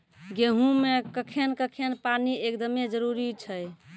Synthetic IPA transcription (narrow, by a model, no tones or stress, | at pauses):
ɡeɦũmekəkʰenkəkʰenpaniekd̪əmed͡ʒəɾuɾit͡ʃʰəj